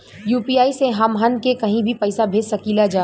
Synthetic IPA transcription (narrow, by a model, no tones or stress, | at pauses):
juːpiaːiseɦɐmɦənkekɐɦĩbʱipɐɪsabʱeːd͡ʒsɐkiːlad͡ʒaː